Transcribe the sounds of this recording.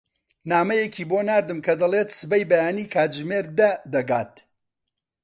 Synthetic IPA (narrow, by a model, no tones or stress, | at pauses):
naːmɐjekʰiːboːnaːɾd̪ɨmkʰɐd̪ɐlˠeːt̪sɨbɐjbɐjaːniːkʰaːt̪ʒmeɾd̪ɐd̪ɐɡaːt̪